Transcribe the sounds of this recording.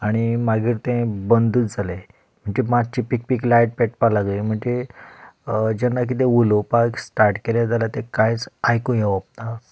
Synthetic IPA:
aɽ̃imaɡiːɾt̪ẽbənd̪uːt̪d͡zale | m̤əɳd͡ʑemat͡ɕipik̚piklajʈ̚peʈpalaɡlem̤əɳd͡ʑe | d͡ʑɛnːak̬it̪ẽulopaksʈaɾʈkelad͡zalat̪ẽkãjt͡sajkũjeʋap̚t̪a

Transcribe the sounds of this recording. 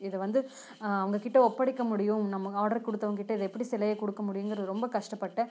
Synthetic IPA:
ɪðɐʋɐnd̪ɯ | ɐʋɐŋɡɐkɪʈːɐɔpːɐɽɪkːɐmʊɽɪjʊ̃mnɐmːɐaːɽɐɾkɔɽɯt̪ːɐʋɐŋkɪʈːɐɪðɐɛpːɐɽisɪlɐjɐkɔɽɯkːɐmʊɽɪjɯŋɡɾɐðɯɾɔmbɐkɐʂʈɐpːɐʈːɐ

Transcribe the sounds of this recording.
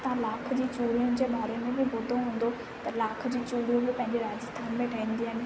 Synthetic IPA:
t̪ɐãlaːkʰd͡ʑiːt͡ɕuːɽijʊ̃nɪd͡ʑeːɓaːɾemẽbɪbʱʊd̪ʱoɦũːn̆d̪o | t̪ɐlaːkʰd͡ʑiːt͡ɕuːɽijũbɪpɐ̃ɦɪ̃ɲd͡ʑeɾaːd͡ʑɪst̪ʰaːnbẽːʈʰaːĩːn̆d̪iɦaːɦɪnɪ̆

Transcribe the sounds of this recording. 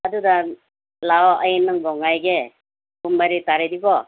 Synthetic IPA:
aduda | laɔʔəjnɯŋɡɔŋajɡe | bumbaɾitaɾedibɔ

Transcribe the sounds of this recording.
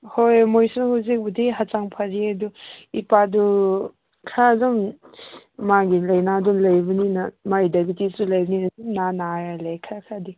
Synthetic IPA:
hojmojsuhawzik̚budiɦat͡ʃaŋpʰaɾiaduipadu | kʰadɔmː | aɡilɐjnadunlɐjbɐninɐmaidabitisulajbninɐunanaɾalekʰaɾakʰadi

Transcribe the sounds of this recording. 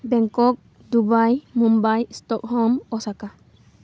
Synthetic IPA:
bɛŋkɔk̚ | dubajmɔmbajst̪ɔk̚hɔmɔsaka

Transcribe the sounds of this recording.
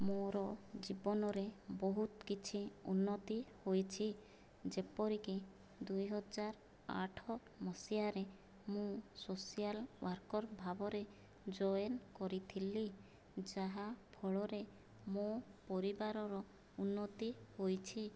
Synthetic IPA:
moɾɔd͡ʒibɔnɔɾebɔɦut̪kit͡ʃʰiṵnːɔt̪ihojt͡ʃʰi | d͡ʒepɔɾiki | d̪ujɦɔd͡ʒaɾ | a̰ʈʰɔ | mɔsijaɾe | mũsosijalwaɾkɔɾbʱabɔɾe | d͡ʒɔjenkɔɾit̪ʰili | d͡ʒaɦabʱɔɭɔɾe | mopɔɾibaɾɔɾɔ | unːɔt̪ihojt͡ʃʰi

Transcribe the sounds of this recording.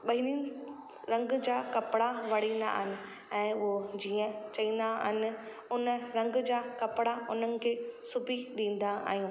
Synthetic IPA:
ɓɐɦiniːn | ɾɐ̃ŋɡd͡ʑaːkɐpɪɽaʋɐɽ̤ĩːnd̪a̰ːɦɪnɪ̆ | ɛ̃ːʊɦod͡ʑiːə̃t͡ɕɐĩːn̆d̪aɦɪnɪ̆ | ʊnəɾɐ̃ŋɡd͡ʑaːkɐpɪɽaʊnənɪ̆kʰeːsʊbʱiɗĩːn̆d̪aa̰ːɦijũː

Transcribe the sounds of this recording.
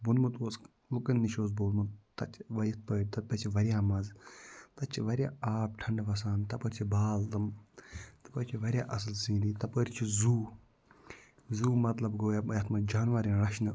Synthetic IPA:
bunmɨt̪oːsk | lukɐnːiʃoːzboːlmɨt̪ɐt͡ʃʰʋɐɾʲjɐt̪̚ʰpəːɾʲt̪ɐt̪̚pɐt͡ʃʰiʋɐɾʲjaːmɐzt̪ɐt͡ʃʰiʋɐɾʲja̰ːaːp̚ʈʰɐɳɖʋɐs̬aːnt̪ɐpɐɾʲt͡ʃʰibaːlt̪ɨm | t̪ɐ̥pɐɾʲt͡ʃʰiʋɐɾʲjaːʔɐs̬ɨlsĩːd̪iːt̪ɐpəɾʲt͡ʃʰizuː | zuːmɐt̪lɐbɡoːjajɐt̪ʰmɐd͡ʒaːnʋɐɾʲinɾɐʃnɨ

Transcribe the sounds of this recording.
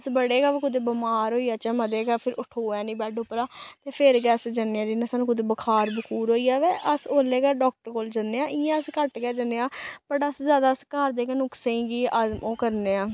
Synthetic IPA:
əsbəɽeːɡaːʋːkʊd̪eːbəmaːɾɦoːiːaːt͡ʃãːməd̪eːɡaːpʰɪɾʊʈʰoːãːnĩːbɛːɖʊpːɾaːt̪eːpʰɪɾɡɛːsd͡ʒəneːãːd͡ʒɪnːãːsənːkʊd̪eːbəkʰaːɾbəkʰuːɾɦoːiːaːʋeːʔəsoːleːɡɛːɖɔːk̚ʈəɾkoːld͡ʒənːeːãːʔɪjãːəskəʈɡɛːd͡ʒənːeːaːpəʈəsd͡ʒjaːd̪aːəskaːɾd̪eːkːnʊksẽĩːɡiːʔəzmoːkəɾneːãː

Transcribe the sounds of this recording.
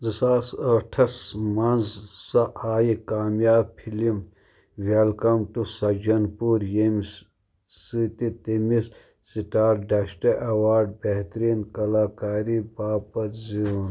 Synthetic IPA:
zisaːsɐʈʰɐsmɐnzsɐʔaːjikaːmjaːb̚pʰilim | ʋelkɐmʈusɐd͡ʒɐnpuːɾjems | sit̪it̪imis | siʈaːɾɖɐsʈeʔɐwaːɾɖ̚beɦt̪ɾiːnkɐlaːkaːɾiːbaːpɐɾziuːn

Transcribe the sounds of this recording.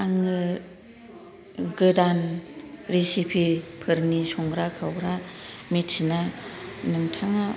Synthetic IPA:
aŋɯ | ɡɯdanɾisipʰipʰɯɾnisɔŋɡɾakʰawɾamitsinanɯŋtʰaŋa

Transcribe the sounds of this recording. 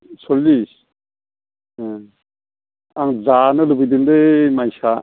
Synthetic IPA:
sɔlːis | aŋzanɯlubɯjdindɯmajsa

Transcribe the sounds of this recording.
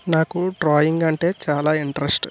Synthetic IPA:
naːkuɖɾaːjiŋɡɐɳʈe̞ːt͡ʃaːlaːiɳʈɾesʈ

